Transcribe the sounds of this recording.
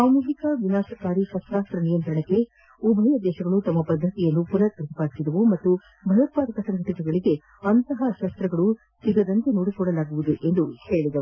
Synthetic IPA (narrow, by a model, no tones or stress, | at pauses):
saːmuɦikɐʋinaːʃɐkaːɾiʃɐst̪ɾaːst̪ɾɐnijɐnt̪ɾɐɳekːe̞ | ubʱɐjɐd̪ɛːʃɐɡɐɭut̪ɐmːɐpɐd̪ʱːɐt̪ijɐnːupuɾɐt̪ɐt̪ipaːɾid̪ɐʋumɐt̪ːu | bʱɐjɐt̪̚paːɾɐkɐsɐŋɡʱɐʈikeɡɐɭiɡe̞ | ɐnt̪ɐɦɐʃɐst̪ɾɐɡɐɭu | siɡɐd̪ɐnt̪enoːɽikɔɽɐlaːɡuʋud̪uʔe̞nd̪uhe̞ːɭid̪ɐu